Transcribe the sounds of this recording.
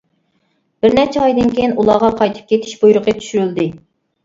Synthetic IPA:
b̥ɪɾnɛt͡ʃʰɛɑjd̪ɪnkʲejinulˠɑʁɑqʰɑjt̪ʰɨ̥p̚kʲet̪ʰɪ̥ʃbujɾʊqʰət̪ʰy̥ʃyɾyld̪ɪ

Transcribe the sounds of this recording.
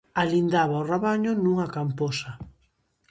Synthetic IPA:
alind̪aβaoraβaɲʊnuŋakamposa

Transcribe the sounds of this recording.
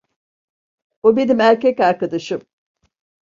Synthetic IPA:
obenimæɾcɛcaɾkad̪aʃɯm

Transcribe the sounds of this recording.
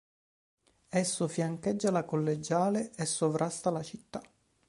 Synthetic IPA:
ɛsːofjaŋkɛd͡ʒːalakolːed͡ʒaːleesːovɾʔast̪alat͡ʃit̪ːa

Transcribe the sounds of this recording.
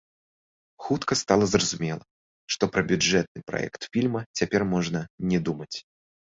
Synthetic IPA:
xut̪kɐst̪alˠɐzrɐzumʲɛlˠɐ | ʂt̪ɔpɾɐbʲʊʐɛt̪̚nɨpɾa̰ɛ̰kt̪fʲilʲmɐt͡sʲapʲɛrmɔʐnɐnʲɛd̪umɐt͡sʲ

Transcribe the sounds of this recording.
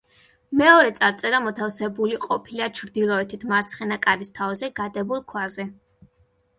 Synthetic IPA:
mɛɔɾɛt̪sʼaɾt̪sʼɛɾamɔt̪ʰafsɛbuliqʼɔpʰilat͡ʃʰɾd̪ilˠɔɛt̪ʰit̪ʰmaɾt̪sʰχɛnakʼaɾist̪ʰavzɛɡad̪ɛbulˠkʰwazɛ

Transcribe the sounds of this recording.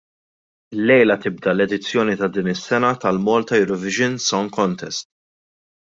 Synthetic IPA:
ɪlːɛjlɐt̪ɪb̚d̪ɐlɛd̪ɪt͡sːjɔːnit̪ɐd̪iːnɪsːɛnɐt̪ɐlmɔːlt̪ɐjʊɾɔvɪʒɪnsɔŋkɔnt̪ʰɛst̪

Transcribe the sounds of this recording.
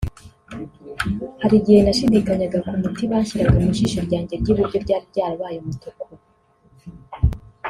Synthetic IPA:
haɾiɟihe̞naʃidikaɲaɡakumutiβaːçiɾaɡaumuʃiʃoɾɟaːɲɟe̞ɾɟiβuɾɟo̞ɾɟaːɾbɟaːɾoβaːjomutoko

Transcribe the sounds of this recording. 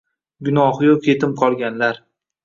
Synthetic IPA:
ɡʲʊnɒɦjokʲʰe̞t̪ʰɪmqʰɒlˠɡʲanlaɾ

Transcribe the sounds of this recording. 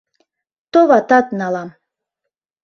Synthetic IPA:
t̪oβɑt̪ɑt̪nɑlɑm

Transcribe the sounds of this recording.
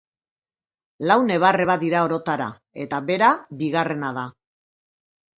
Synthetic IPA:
lawne̞β̞are̞βad̪iɾao̞ɾo̞t̪aɾa̰ | e̞t̪aβe̞ɾabiɣare̞nað̞a

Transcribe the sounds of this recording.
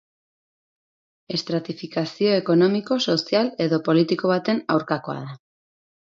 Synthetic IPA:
e̞st̪ɾat̪ifikasio̞e̞ko̞no̞miko̞so̞siale̞ðo̞po̞lit̪iko̞β̞at̪e̞nawɾkako̞a̰ð̞a

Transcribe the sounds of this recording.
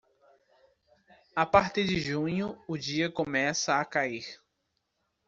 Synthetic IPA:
apaɾt̪iɾd͡ʒɪʒũɲʊʊd͡ʒiɐkõmɛsɐːkaiɾ

